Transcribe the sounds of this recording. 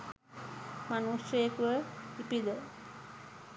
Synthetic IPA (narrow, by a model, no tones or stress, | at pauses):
manuseekuəipid̪ə